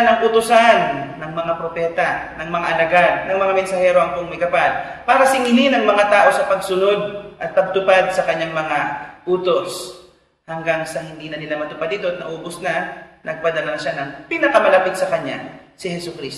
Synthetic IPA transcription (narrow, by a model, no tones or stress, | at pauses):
nɐŋʔʊt̪ʊsanːɐŋmɐŋapɾopɛːt̪anɐŋmɐŋaʔɐlaɡad̪nɐŋmɐŋamɛnsɐhɛɾo̞ʔɐŋkoŋmɐjkɐpalpaːɾɐsɪŋɪlɪnɐŋmɐŋat̪aːʔo̞sɐpɐɡsʊno̞d̪̚ʔɐt̪̚pːɐb̚t̪ʊpad̪̚sɐkɐɲːaŋmɐŋaʔuːt̪o̞s | hɐŋɡaŋsɐhɪnd̪iːnɐnɪlamɐt̪ʊpad̪it̪oɐt̪nɐʔoːbʊsnanʔɐɡ̚pɐd̪ɐlanɐʃanɐŋpɪnɐkɐmɐlɐpɪt̪̚sɐkɐɲːa̰sɪhɛsʊkɾis